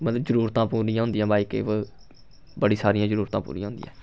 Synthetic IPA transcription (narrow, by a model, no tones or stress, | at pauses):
mət̪ləbzəɾuːɾt̪ãːpuːɾĩjãːɦʊnd̪ɪjãːbaːiːkḛʋə | bəɽiːsaːɾijãːzəɾuːɾt̪ãːpṵːɾḭ̃jãːɦʊ̃nd̪ɪ̰jã̰ː